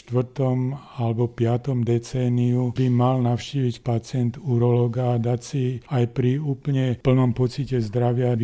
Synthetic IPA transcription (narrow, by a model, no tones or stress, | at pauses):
t̪ʋr̩t̪ɔm | alɛbɔpɪat̪ɔmd̪ɛt͡sɛːniubimalnaʊʃciːʋicpat͡sɪɛnt̪uɾɔlɔːɡaːd̪acsiajpɾiuːpəɲɛpl̩nɔmpɔt͡sicɛzd̪ɾaʋɪa